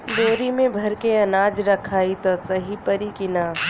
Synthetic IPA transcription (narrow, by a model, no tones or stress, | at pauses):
b̪oːɾimẽbʱɐɾkeɐnaːd͡ʒɾɐkʰaːit̪osɐɦipɐɾikɪnaː